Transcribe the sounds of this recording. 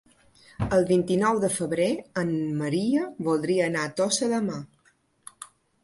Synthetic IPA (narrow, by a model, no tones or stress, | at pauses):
əlˠβint̪inɔwðəfəβɾeəmːəɾiəβulˠd̪ɾiəːnat̪osəðəma